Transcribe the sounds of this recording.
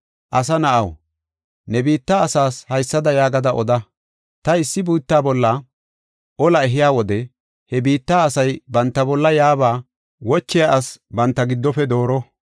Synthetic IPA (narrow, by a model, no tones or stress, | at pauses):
ʔɐs̬ɐnɐʔɐw | nɛbiːt̪ːaːɐsaːshɐjsːɐd̪ɐjaːɡɐd̪ɐʔɔd̪ɐ | t̪ɐɪsːɪbuːt̪ːaːbɔlːɐ | ʔɔlɐɛɦɪjaːwɔd̪ɛ | hɛbiːt̪ːaːsɐjbɐnt̪ːɐbɔlːɐjaːbaː | wɔt͡ʃːɪjaʔɐsbɐnt̪ːɐɡɪd̪ːɔfɛd̪o̞ːɾɔ